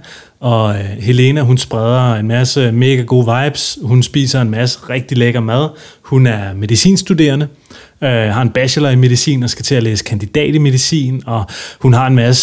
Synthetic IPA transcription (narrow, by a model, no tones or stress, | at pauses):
ɒ̽he̝le̝næɦunsb̥ʁað̞ˠɐenmæsəme̝ːɡ̥æɡ̥o̝̰ːʋɑ̈ɪb̥shunsb̥ḭːsɐe̝nmæsə̥ʁeɡ̥̚d̥ileɡ̥ɐmæð̞ˠ | hunæɐme̝ðisḭːnsd̥ud̥e̝̰ːɐnə | øɦɑ̈e̝nb̥æɕəlɐime̝ð̞ˠisḭːn̩ɒsɡ̥æt͡sʰe̝æleːsə̥kʰænd̥id̥ɛ̰ːd̥ime̝ð̞ˠisḭːnɒ̽hunɦɑ̈e̝nmæsə